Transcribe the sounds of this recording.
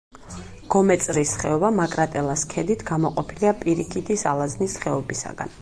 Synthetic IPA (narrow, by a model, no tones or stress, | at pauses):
ɡ̥ɔmɛt̪sʼɾisχɛɔbamakʼɾat̪ʼɛlˠaskʰɛd̪it̪ʰɡamɔqʼɔpʰiliapʼiɾik̪ʰit̪isalˠaznisχɛɔbisa̰ɡ̥a̰n